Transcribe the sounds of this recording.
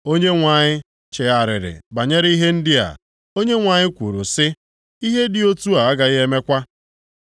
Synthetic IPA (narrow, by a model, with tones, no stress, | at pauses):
o˦ɲe˦ŋʷa˨ɲɪ˦ | t͡ʃe˨a˨ɾɪ̰˨ɾɪ̰˨ba˨ɲe˦ɾi˦ɦe˦n̩˦dɪ˦a̰˨ | o˦ɲe˦ŋʷa˨ɲɪ˦kʷu˨ɾṵ˨sɪ˦ | i˦ɦe˦dɪ˨o˦tu˦a˨a˦ɡa˨i˦ɦe˦me˦kʷa˦